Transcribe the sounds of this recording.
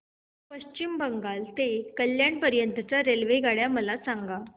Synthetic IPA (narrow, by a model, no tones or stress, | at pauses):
pəɕt͡ɕimbəŋɡalt̪ekəljaɳpəɾjənt̪ət͡saɾelʋeɡʱaɽjaməlasaŋɡa